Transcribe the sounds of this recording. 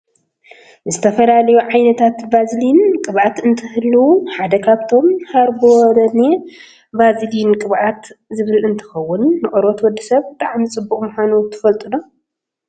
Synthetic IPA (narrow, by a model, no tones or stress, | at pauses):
zɨt̪ʰɐfɐlalɐjuʕajnɐt̪ʰat̪bazlinkʼɨβʕat̪ɨnt̪ʰɨhɨlːuuħad̪ɐkʰaβt̪ʰo̞mhaɾboɾɐne | bazlinkʼɨβʕat̪zɨβɨlɨnt̪ʰɨ̥xɐwːʊnːɨʔʼɨɾot̪wɔd̪ːisɐβbɨt̪ʰʼaʕmt͡sʼɨbːuχʼmuxʷanut̪ʰɨ̥fɐlt̪ʼɨno